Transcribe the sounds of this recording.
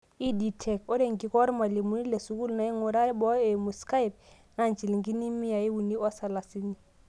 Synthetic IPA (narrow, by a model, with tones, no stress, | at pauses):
i˦di˨tʰɛ˨ko˦ɾe˨ŋ̩˨ki˦kɔ˦ɾma˨le˨mu˦ni˦le˨su˦ku˦lna˨i˦ŋʊ˨ɾa˦bɔ˦e˨mu˨ska˦i˨p̚ | na˦˨nt͡ʃi˨li˨ŋki˦ni˦mi˦ja˨i˦u˨ni˦ɔ˦sa˨la˨si˦ni˨